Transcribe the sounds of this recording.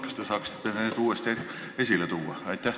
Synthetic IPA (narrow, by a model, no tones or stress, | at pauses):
kst̪ːesɑːkst̪ːenænet̪uːest̪et̪ | e̞sʲilet̪uːɑ̰ɑjt̪ˑːæh